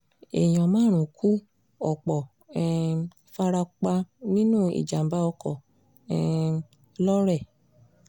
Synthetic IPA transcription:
ḛ˨j̃ɔ̃˨mãː˦ɾ̃ũ˨kʰu˦ | ɔ˨k͡pɔ˨ | ɛ˧ | fa˧ɾa˧k͡pa˧nĩ˦nũ˦˨ḭ˨d͡ʒa˨m̩˨ba˧ɔ˧kɔ˨ | ɛ˧ | lɔ˦ɾɛ˦˨

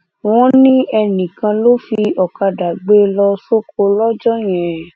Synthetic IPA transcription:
wɔ̃˦nĩ˦ɛ˧nĩ˨kã˧lo˦fi˧ɔ˨ka˧da˨ɡ͡be˦lɔ˧so˦ko˧lɔ˦d͡ʒɔ˦j̃ɛ̃˨

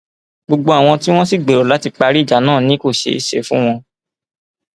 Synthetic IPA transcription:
ɡ͡bo˧ɡ͡bo˧a˨w̃ɔ̃˧ti˦w̃ɔ̃˦si˦˨ɡ͡be˨ɾo˨la˨˦ti˧k͡pa˧ɾi˦˨d͡ʒa˨˦nãː˦˨nĩ˦ko˦˨ʃḛ˧i˨ʃḛ˨˦fũ˦w̃ɔ̃˧

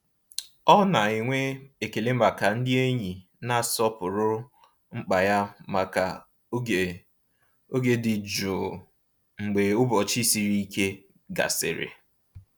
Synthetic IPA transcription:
ɔ˦na˨i˨ŋʷe˦e˨ke˨le˦a˨ka˨n̩˦dɪ˦e˦ɲi˨ | na˦˨sɔ˦pʊ˨ɾʊ˦ | ŋ͡m̩˦k͡pa˨ja˦ma˨ka˨˦˨ | o˦ɡe˦dɪ˨d͡ʒo˨ | ŋ͡m̩˨ɡ͡be˨ʊ˦bɔ˨t͡ʃi˦si˨ɾi˦i˦ke˦ | ɡa̰˨sɪ̰˨ɾɪ̰˨

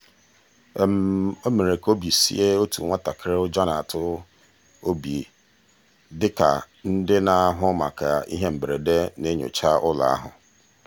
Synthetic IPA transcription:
m̩˨o˦me˨ɾe˨ko˦bi˨sḭ˦e˦o˦tṵ˨ŋʷa˦ta˨kʰɪ˦ɾɪ˦ʊ˦d͡ʒa˦na˨a˨tʊ˦ | o˦bi˨e˨ | dɪ˦ka̰˨ | n̩˦dɪ˦na˨˦ɦʊ˦ma̰˨ka˨ḭ˦ɦe˦m̩˨bɾe˨de˦ne˦ɲo̰˨t͡ʃa˦ʔʊ˦la̰˨a̰˦ɦʊ̰˨

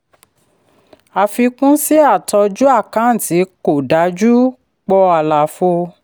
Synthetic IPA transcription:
a˨fi˧kũ˦si˦a˦˨tɔ˧d͡ʒu˦a˦˨kã˨˦˨ti˨˦ko˨da˨˦d͡ʒu˦ | k͡pɔ˧a˧˨la˨fo˧

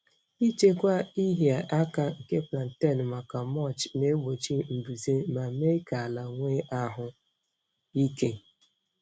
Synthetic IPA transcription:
i˦t͡ʃe˦kʷa˦i˦ɦi˨a˨ʔa˦ka˦ŋ̩˨ke˦pla˨n˨ta˦˨n˨ma˨ka˨mɔ˦˨t͡ʃne˦bo˨t͡ʃi˦m̩˨bu˨ze˦ma˨me˦ka˨la˨ŋʷe˦ʔa˦ɦʊ˨ | i˦ke˦

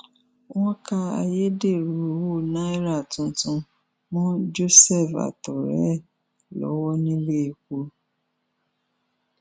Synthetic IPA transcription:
wɔ̃˦ka˧a̰˧je˦de˦˨ɾu˨wo˦˨nã˦i˦ɾa˦˨tũ˧tũ˧ | mũ˦d͡ʒo˦sɛ˦˨fa̰˨tɔ˨ɾɛ̰˦˨ | lɔ̰˨˦wɔ˦nĩ˦le˦i˨ko˧

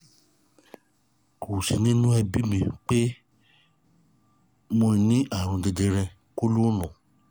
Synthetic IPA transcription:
ko˨si˧nĩ˦nũ˦ɛ˧bi˦mĩ˧k͡pe˦ | mõ˧nĩ˦ʔa˦˨ɾ̃õ˨˧de˧de˧ɾɛ˧ | ko˦lu˦nɔ̃˨

